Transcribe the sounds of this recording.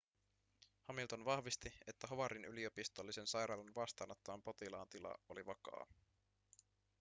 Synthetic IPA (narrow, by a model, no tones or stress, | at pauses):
hɑmilt̪o̞nʋɑhʋist̪ie̞t̪ːæɦoʋɑɾinylio̞pist̪olːise̞nsɑjɾɑːlɑnʋɑst̪ɑːnɑt̪ːɑʋɑmpo̞t̪ilɑ̰ːnt̪ilɑ̰oliʋɑkɑ̰ː